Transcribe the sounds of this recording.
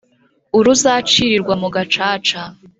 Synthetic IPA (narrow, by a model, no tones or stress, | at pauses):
uɾuzaːt͡ʃiɾiɾɡwamuɡat͡ʃaːt͡ʃa